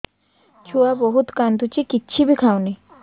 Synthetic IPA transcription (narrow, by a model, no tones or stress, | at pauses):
t͡ʃʰuabɔɦut̪kand̪ut͡ɕikitːɕʰibikʰawni